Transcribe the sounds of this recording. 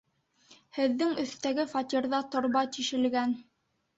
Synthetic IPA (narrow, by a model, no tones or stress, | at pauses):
hɘ̆ðːɘŋɵ̆θt̪æɡɘfɑt̪ʲiɾðɑt̪ŏɾβɑt̪iʃɘ̆lɡæn